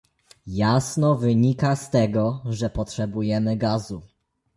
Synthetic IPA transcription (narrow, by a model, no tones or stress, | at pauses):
jasnɔvɘɲikast̪ɛɡɔʐɛpɔtʂɛbujɛmɘɡazu